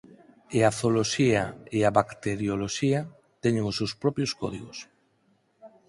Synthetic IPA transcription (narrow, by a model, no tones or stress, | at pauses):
eaθoloʃiaeaβakt̪eɾjoloʃia | t̪ɛɲeŋosewspɾɔpjoskɔðiɣos